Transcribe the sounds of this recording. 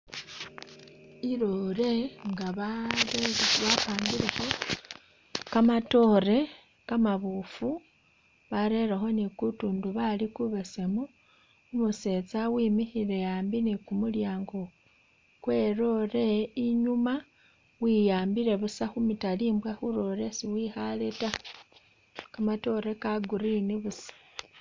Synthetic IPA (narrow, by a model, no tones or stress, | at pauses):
iɾo̞ɾe̞ŋɡaβaɾeβafaːmbiɾe̞xo̞ | kamato̞ɾe̞ | kamaβufu | βaɾe̞ɾexo̞nikutuːnduβalikuβese̞mo | umuse̞t͡sawiːmixiɾe̞jaːmbinikumuljaːŋɡo̞ | kwe̞ɾo̞ɾe̞iɲuma | wijaːmbiɾe̞βusaxumitaliːmbwaxuɾo̞ɾe̞siwixaleta | kamato̞ɾe̞kaɡuɾiniβusḁ